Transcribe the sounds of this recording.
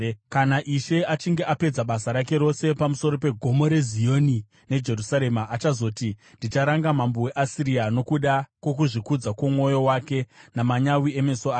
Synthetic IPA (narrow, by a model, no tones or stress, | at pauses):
kanaʔiʃe̞at͡ʃiŋɡe̞ʔape̞d͡zaɓasaɾake̞ɾo̞se̞pamuso̞ɾo̞pe̞ɡʱo̞mo̞ɾe̞zijo̞ni | ne̞d͡ʒe̞rusaɾe̞maʔat͡ʃazo̞ːtinndit͡ʃaɾaŋɡamambowe̞ʔasiɾiano̞kuɗakwo̞kuʐikud͡zakwomwo̞jo̞wake̞namaɲawie̞me̞soaː